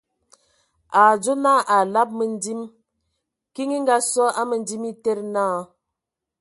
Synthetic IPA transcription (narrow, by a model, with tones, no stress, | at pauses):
a˨d͡ʒo˦na˦ʔa˨la˦p̚mə˨n˦di˦m | ki˦ŋi˦ŋ̩˦ɡa˦sɔ˦a˦mə˨n˦di˦mi˦te˦ɾna˦˨˦